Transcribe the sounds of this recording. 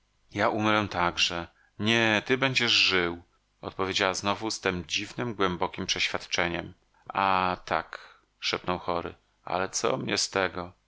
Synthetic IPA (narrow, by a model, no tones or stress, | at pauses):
jaʔumɾɛ̃t̪aɡʐɛ | ɲɛt̪ɘbɛɲd͡ʑɛʐʐɘw | ɔt̪̚pɔvʲjed͡ʑawaznɔvust̪ɘmd͡ʑivnɘmɡwɛmbɔkʲimpʂɛɕfʲjat̪t͡ʂɛɲɛm | at̪ʰa̰k | ʂɛpnɔwxɔɾɘ̰ | a̰lɛt̪sɔ̰mɲɛst̪ɛɡɔ